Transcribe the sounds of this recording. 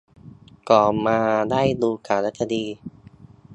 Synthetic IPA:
kɔː˨˩maː˧daː˥˩jduː˧kaː˨˩ɾt̪̚sʰa˧diː˧

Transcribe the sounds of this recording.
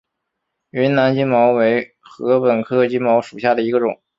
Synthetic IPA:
y˧˥nna˧˥nt͡ɕi˥nmɑ˧˥ʊwe˧˥ɪ | xɤ˧˥pə˨˩nkʰɤ˥t͡ɕi˥nmɑ˧˥ʊʂu˨˩ɕja˥˩d̪ə˩i˧˥ɡə˧ʈ͡ʂʊ̰˨˩˦ŋ

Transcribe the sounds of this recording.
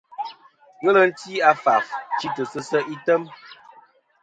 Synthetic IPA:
ɣə˦lə˦n̩˦ti˦a˦fa˨ft͡ʃi˦tə˨sə˦sə˦ʔi˦tə˦m

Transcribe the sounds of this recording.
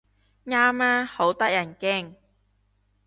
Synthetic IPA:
ŋaː˥maː˥ho˨˥wt̪ɐ˥k̚jɐ˨˩nkɛ˥˩ŋ

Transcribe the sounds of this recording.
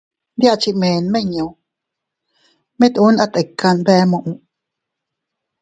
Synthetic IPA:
d̪ja˦ʔt͡ʃi˧ʔmẽː˨nmẽ˧ɲõ˨ | mẽ˦t̪ʔu˦nʔa˧t̪e˨kːa˧nbɛ˦mõ˧˨ʔũ˧ʔ

